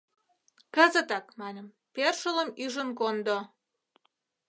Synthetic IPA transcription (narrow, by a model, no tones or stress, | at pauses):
kəzət̪ɑkmɑnʲə̆m | perʃələmyʒənkond̪o